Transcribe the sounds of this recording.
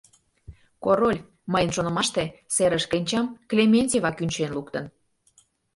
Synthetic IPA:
koɾolʲ | məjənʃonə̆mɑʃt̪eseɾəʃkenʲt͡ɕɑmklʲemʲenʲtʲevɑkynʲt͡ɕenlukt̪ən

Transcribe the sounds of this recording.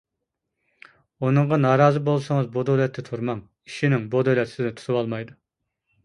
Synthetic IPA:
unɨŋʁɑnɑːɾɑːzɨbolˠsɨŋəzbod̪olɛt̪ʰːɛt̪ʰuɾmɑŋ | iʃinɪŋbod̪olɛt̪sɪd̪ɛt̪ʰu̥t̪ʰuwɑlˠmɑjd̪u

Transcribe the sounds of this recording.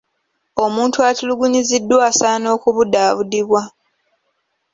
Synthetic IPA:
o̞muːntuatuluɡuɲizidːwaːsaːno̞ːkuβudaːβudiβwa

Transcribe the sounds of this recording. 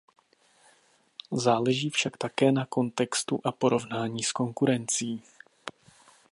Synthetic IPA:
zaːlɛʒiːfʃakt̪akɛːnako̞nt̪ɛkst̪ṵʔapo̞ɾo̞vnaːɲiːsko̞ŋkuɾɛnt͡siiː

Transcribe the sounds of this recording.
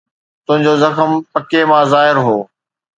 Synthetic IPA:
t̪ʊ̃ɦɪ̃ɲd͡ʑozɐxəmpɐkemãːzaːɦɪɾɦoː

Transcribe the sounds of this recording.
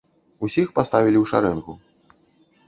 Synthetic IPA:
usʲixpast̪avʲilʲiwʂa̰ɾɛnɣu

